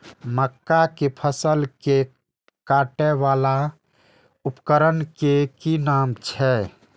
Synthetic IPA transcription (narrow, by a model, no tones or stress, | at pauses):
məkːakepʰəsəlke | kaʈɛʋala | upkəɾənkekinamt͡ʃʰɛ